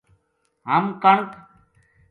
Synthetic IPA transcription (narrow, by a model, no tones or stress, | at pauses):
ɦəmkəɳk